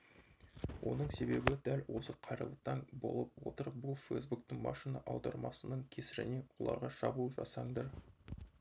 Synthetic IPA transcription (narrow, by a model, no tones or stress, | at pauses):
wʔo̞nəɴse̞be̞bɪd̪ælwo̞səqʰɑjɾə̰lˠəqt̪ːɑɴbo̞̰lˠəp̚wo̞̰t̪əɾ̚bʊlˠfejsbuk̚t̪əŋmɑ̰ʃinɑʔɑwd̪ɑɾmɑsənəɴkʲʰe̞sɪɾɪ̰ne̞wo̞̰lˠɑ̰ɾʁɑʃɑbuʒɑ̰sɑɴd̪ɑɾ